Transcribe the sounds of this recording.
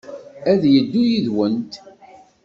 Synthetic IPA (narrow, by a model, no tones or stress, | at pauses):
æðjəd̪ːujiðwənt̪